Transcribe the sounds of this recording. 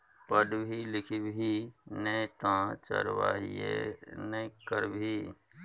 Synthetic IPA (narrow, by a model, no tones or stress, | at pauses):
pəɖbʱilɪkʰibʱinet̪ãːt͡ʃə̰ɾwa̰ːɦiḛnəkəɾbʱiː